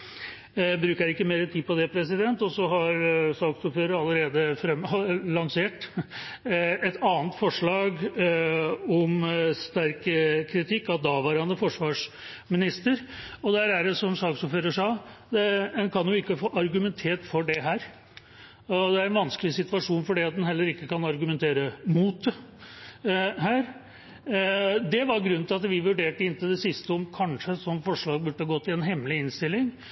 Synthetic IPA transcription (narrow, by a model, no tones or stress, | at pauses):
bɾʉːkəɾɪkːəmeːɾət̪ʰiːd̪̚pɔd̪ɛpʰɾɛs̬ɪd̪ɛnt̪ɔsɔɦɑɾsɑːɡsuføːɾəɾɑlːəɾeːd̪əfɾɛmlɑŋseːʈ | ɛt̪ʰɑːnt̪fɔʂɭɑːɡ | ɔmst̪æɾkkʰːɾɪt̪ʰɪkːɑt̪̚d̪ɑʋæːɾɑnəfɔʂʋɑːʂ | mɪnɪst̪əɾɔd̪æɾæɖɛsɔmsɑːksɔføːɾəʂɑːd̪ɛɛnkʰɑnjʊɪkːəfoːʔɑɾɡʉmɛnt̪ʰeːʈfɔɖɛɦæːɾ | ɔd̪ɛæɾɛnʋɑnskəlɪsɪt̪ʋɑʂuːnfɔɖiːɑt̪̚d̪ɛnhɛlːəɾɪkːəkɑnɑɾɡʉmɛnt̪ʰeːɾəmuːt̪ | hæːɾ | d̪ɛʋɑɾɡɾʉnt̪ʰɪlɑt̪ʋɪʋʉɖeːʈəɪnt̪ɪd̪ɛsɪst̪əɔmkʰɑnʂəsɔmfɔʂɭɑːɡ̚bʉʈːəhɑɡɔt̪ːɪɛnɦɛmːlɪɪnst̪ɪlːɪŋ